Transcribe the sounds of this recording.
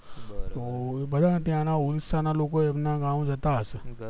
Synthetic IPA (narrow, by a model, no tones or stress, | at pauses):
t̪obəd̪ʱat̪jãnaulisanalokoemnaɡamd͡ʒət̪aɦəʃe